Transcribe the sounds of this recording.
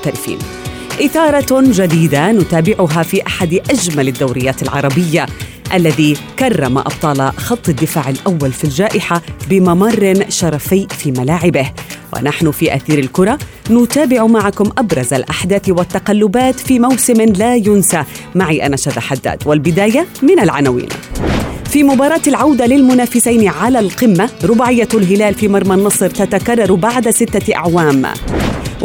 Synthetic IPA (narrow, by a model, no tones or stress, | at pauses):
t̪aɾɪfḭːn | ʔɪθɑːɾˤɑd͡ʒad̪iːd̪anʊt̪aːbɪʕʊɦafiːʔaħad̪ʔaʒmalɪd̪ːawɾɪjːaːt̪ɪlʕɑɾˤɑbɪjːa | ʔalːaðikɑrˤːɑma̰ʔɑ̰b̚t̪ˤɑːlxɑt̪ˤːɪd̪ːɪfaːʕɪlʔawːalfild͡ʒaːʔɪħabɪmamɑrˤːɪnʃɑɾˤɑfɪːfiːmalaːʕɪbɪhwɪ̰naħnʊfiʔa̰θiːɾɪlkʊɾˤɑ | nʊt̪aːbɪʕʊmaʕakʊmʔabɾˤɑza̰lʔaħd̪aːθwat̪ːaqalːʊbaːt̪fiːmawsɪmlaːjʊnsamaʕiːʔa̰naʃaðaħad̪ːa̰ːd̪walbɪd̪aːjamɪnalʕanawḭːn | fiːmʊbɑːɾˤɑːt̪alʕawd̪alɪlmʊnaːfɪsajnʕalaːlqɪmːaɾʊbaʕɪjːalɦɪlaːlfiːmɑɾˤmanːɑsˤɨɾt̪at̪akarˤːɑɾˤbaʕd̪asɪt̪ːaʔa̰ʕwaːm